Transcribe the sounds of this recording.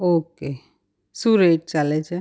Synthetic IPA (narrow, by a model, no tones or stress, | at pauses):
oːke | suɾeːʈ̚t͡ʃalɛt͡ʃʰe